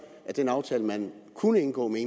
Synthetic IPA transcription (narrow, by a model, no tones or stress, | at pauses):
æd̥enɑ̈ʊt͡sʰɛːləmænkʰunəe̝nɡ̥ɔ̰̽ːmee